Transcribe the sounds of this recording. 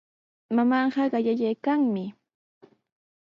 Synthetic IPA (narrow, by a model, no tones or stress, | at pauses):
mamɑɴɢɑɢɑʎaʎajkaŋmɪ